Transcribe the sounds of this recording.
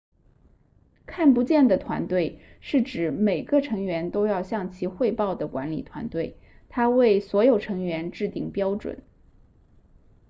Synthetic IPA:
kʰa˥˩npu˧˥t͡ɕjɛ˥˩nd̪ə˩t̪ʰwa̰˧˥nt̪we˥˧ɪʂɻ̩˥˩ʈ͡ʂɻ̩˨˧˩me˨˩ɪɡə˦ʈ͡ʂʰɤ˧˥ŋɥɛ˧˥nt̪o˥ʊjɑ˥˧ʊɕjɑ˥˩ŋt͡ɕʰi˧˥xwe˥˧ɪpɑ˥˩ʊd̪ə˩kwa̰˧˥nlḭ˨˩t̪ʰwa̰˧˥nt̪we˥˩ɪ | t̪ʰa˥we˥˩ɪswɔ˧˥jo˨˩ʊʈ͡ʂʰɤ˧˥ŋɥɛ˧˥nʈ͡ʂɻ̩˥˧t̪i˥˩ŋpjɑ˥ʊʈ͡ʂwə̰˨˩˦n

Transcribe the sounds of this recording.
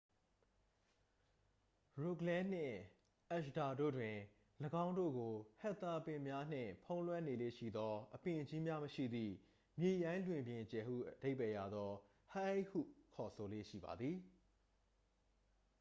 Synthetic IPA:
ɹo˨klɛ̃˦n̥ɪ̰̃˦˨ | ʔɛ˦˨ʃda˨do̰˦˨dwɪ̃˨ | ləɡã˦ʊ̃ndo̰˦˨ɡo˨hɛ˦t̪ːa˦pɪ̃˨mja˦n̥ɪ̰̃˦˨pʰõ˦ʊ̃lwɛ̃˦˨ne˨lḛ˦˨ʃḭ˦˨d̪ɔ˦ʔəpɪ̃˨ʔd͡ʑi˦mja˦məʃḭ˦˨d̪ðḭ˦˨ | mje˨jã˦ɪ̃lwɪ̃˨mbjɪ̃˨t͡ɕɛ˨hṵ˦˨ʔəd̥e˦ɪpɛ˨ja˨d̪ɔ˦ | ha˦e˦hṵ˦˨kʰɔ˨sʰo˨lḛ˦˨ʃḭ˦˨ba̰˨d̪ði˨

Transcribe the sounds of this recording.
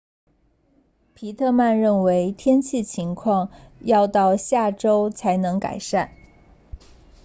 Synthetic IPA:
pʰi˧˥t̪ʰɤ˥˧ma˥˧nɻə˥˩nwe˧˥ɪt̪ʰjɛ˥nt͡ɕʰi˥˩t͡ɕʰi˧˥ŋkʰwɑ˥˧ŋjɑ˥˧ʊt̪ɑ˥˧ʊɕja˥˩ʈ͡ʂo˥ʊt͡sʰa˧˥ɪnɤ˧˥ŋka̰˨˩ɪʂa˥˩n

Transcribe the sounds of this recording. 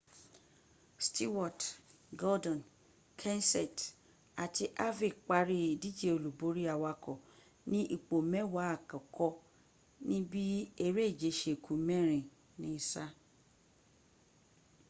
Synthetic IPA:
sti˦wɔ˨t | ɡɔ˦dɔ̃˨n | kʰɛ̃˦nsɛ˨t | a˨ti˧˦ʔa˦vi˨k͡pa˨˦ɾi˦i˨di˦d͡ʒe˦o˨lu˨bo˨˦ɾi˦a˨wa˧kɔ˨ | nĩ˦ʔi˦˨k͡po˨mɛ̃˦wa˨˦a˨kã˨kɔ˦ | nĩ˦bi˦e˦ɾe˦i˦˨d͡ʒe˨˦ʃe˨kʰũ˨˦mɛ̃˦ɾ̃ĩ˨ | nĩ˦sa˦

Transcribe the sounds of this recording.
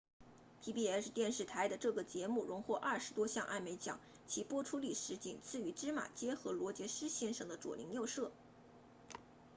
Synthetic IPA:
pʰi˧˥pi˥˩ɛ˧˥ʂɻ̩˥˧t̪jɛ˥˧nʂɻ̩˥˩t̪ʰa˧˥ɪd̪ə˧ʈ͡ʂɤ˥˩ɡə˩t͡ɕjɛ˧˥mu˥˩ɻʊ˧˥ŋxwɔ˥˧ʔɐ˥˩ʂɻ̩˧˥t̪wɔ˥ɕjɑ˥˧ŋʔa˥˩ɪme˧˥ɪt͡ɕjɑ̰˨˩˦ŋ | t͡ɕʰi˧˥pwɔ˥ʈ͡ʂʰu˥li˥˩ʂɻ̩˧˥t͡ɕḭ˨˩ŋt͡sʰɹ̩˥˩y˧˥ʈ͡ʂɻ̩˥ma̰˨˩t͡ɕjɛ˥xɤ˧˥lwɔ˧˥t͡ɕjɛ˧˥ʂɻ̩˥ɕjɛ˥nʂɤ˧˥˩ŋd̪ə˦ʈ͡ʂwɔ̰˨˩lʔḭ˧˥ŋjo˥˧ʊʂɤ˥˩

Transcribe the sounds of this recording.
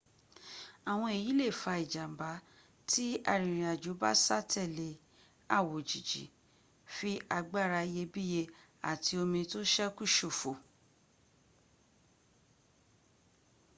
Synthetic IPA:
a˨w̃ɔ̃˧e˨ji˨˦le˦˨fa˧i˨d͡ʒa˨m̩˨ba˨˦ | ti˦a˦˨ɾ̃ĩ˨ɾ̃ĩ˨a˨d͡ʒo˨˦ba̰˦sa˦˨tʰɛ˦˨le˨˦ | a˦˨wo˨d͡ʒi˨d͡ʒḭ˨˦ | fi˦ʔa˧ɡ͡ba˦˨ɾa˧je˧bi˦je˧ | a̰˨tʰi˧o˧mĩ˧to˦ʃɛ˦ku˦˨ʃo˨fo˨

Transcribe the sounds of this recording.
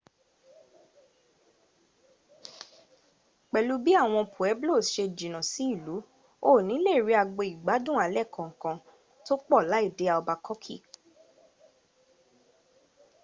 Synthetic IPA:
k͡pɛ˨lu˨˦bi˦a˦˨w̃ɔ̃˧pʰu˨ɛ˨˦blo˦˨ʃe˧d͡ʒi˨nã˨si˨˦i˦˨lu˨˦ | o˦˨nĩ˨˦le˦˨ɾi˨˦a˧ɡ͡be˧˨i˨ɡ͡ba˨˦dũ˦˨a˨˧˦lɛ˦˨kʰɔ̃˨ŋ̩˨kã˧ | to˦k͡pɔ˦˨la˨˦i˦˨de˨˦a˧˨ɔ˧ba˧kɔ˦kʰḭ˦˨

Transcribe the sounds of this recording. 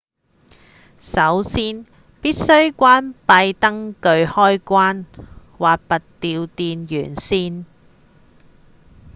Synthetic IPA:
sɐ˨˥wsiː˥n | piː˥t̚sɵ˥ɥkʷaː˥npɐ˧jt̪ɐ˥ŋkɵ˧ɥhɔː˥jkʷaː˥n | waː˨k̚pɐ˨t̚t̪iː˧wt̪iː˧njy̰ː˨˩nsiː˥n

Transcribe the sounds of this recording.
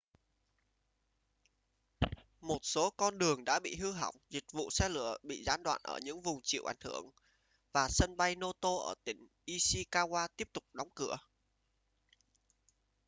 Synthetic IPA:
mo˨˩t̚so˨˦kɔ˧nɗɨ˨˩əŋɗa̰ː˧˥ɓḭ˧˨ɦɨ˧ɦa̰˧˩wŋ͡mzï˨˩k̟̚vṵ˧˨sɛ˧lɨ̰˧˩əɓḭ˧˨zaː˨˦nɗwa̰ː˧˨nʔə̰ː˧˩ɲɨ̰˧˥ŋvʊ˨˩ŋ͡mt͡ɕḭ˧˨əwʔa˧˩jŋhɨ˧˩əŋ | vaː˨˩sə˧nɓa˧jno˧t̪o˧ʔəː˧˩t̪ï˧˩ŋ̟ʔi˧si˧kaː˧ɣwaː˧t̪i˦˥əp̚t̪ʊ˨˩k͡p̚ɗɔ˨˦wŋ͡mkɨ˧˩ə

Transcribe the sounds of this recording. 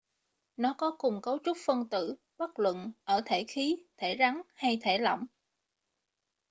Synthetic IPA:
nɔ˨˦kɔ˨˦kʊ˨˩ŋ͡mkə˨˦wt͡ɕu˦˥k͡p̚fə˧nt̪ɨ̰˧˨ | ɓa˦˥k̚lwə̰˧˨nʔəː˧˩t̪ʰe˧˩xi˨˦t̪ʰe˧˩za˨˦ŋha˧jt̪ʰe˧˩lɔ̰˧˨wŋ͡m

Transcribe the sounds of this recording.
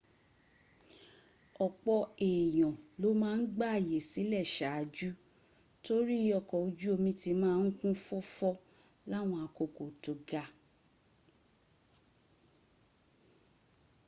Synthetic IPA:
ɔ˨k͡pɔ˧e˨j̃ɔ̃˨lo˨˦mãː˦˧n̩˦ɡ͡ba˦a˨je˨si˨˦lɛ˦˨ʃa˨˦a˧d͡ʒu˦ | to˦ɾi˦ɔ˧˨kɔ˨o˨˧d͡ʒu˦o˧mĩ˧ti˧˦mãː˦˧n̩˦kũ˦fɔ˦fɔ˦ | la˦˨w̃ɔ̃˧a˧ko˧ko˨to˨ɡa˨˧

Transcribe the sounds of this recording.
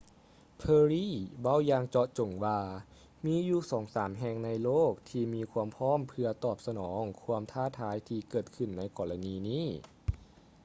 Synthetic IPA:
pʰɤː˧ɾiː˥˩wa˧˥˩wjaː˧ŋt͡ɕɔ˧t͡ɕo˨˩ŋwaː˧ | miː˧˥juː˧˩sɔː˩˦ŋsaː˩˦mɦɛː˧˩ŋna˧jloː˥˩k̚t̪ʰiː˧miː˧kʰu˧əmpʰɔː˦˥˨mpʰɯ˧ɐt̪ɔː˨˩p̚sa˧nɔː˩˦ŋkʰu˧əmt̪ʰaː˥˩t̪ʰaː˩˦jt̪ʰiː˧kɤː˨˩t̪̚kʰɯ˨˩nːa˧jkɔː˧la˧niː˧niː˥˩

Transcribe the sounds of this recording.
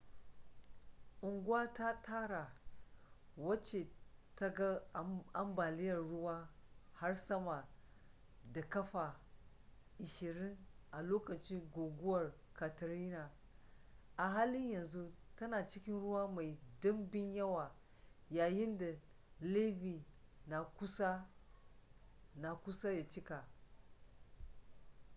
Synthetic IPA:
ʔʊ˨ŋɡwwa˦ta˦taː˦ɾa˨ | wɐ˦t͡ʃe˨ta˦ɡa˦a˦mba˨lɪ˦jɐ˨rːʊ˦wa˦ha˦ɾsɐ˦ma˨ | da˨kɐ˦ɸa˨ | ʔɪ˨ʃɪ˨ɾɪ˦nʔa˨loː˦kɐ˨t͡ʃi˦ɡo˨ɡʊ˦wɐ˨r | ka˨tɐ˨ɾi˦na˨ | ʔa˨ɦaː˦lɪ˦ɲjɐ˨nzu˦tɐ˦naː˨t͡ʃɪ˦kʲɪ˦nɽʊ˦waː˦ma˨jdʊ˦mbɪ˦njɐ˦wa˨ | jaː˨jɪ˦nda˨ | le˦bi˨na˨kʊ˦sa˦ | na˨kʷʊ˦sa˦ja˨t͡ʃɪ˦ka˨

